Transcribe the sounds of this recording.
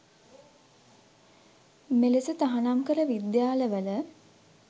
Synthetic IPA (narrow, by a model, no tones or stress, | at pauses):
melesət̪aɦanamkəɾəʋid̪jaːləʋələ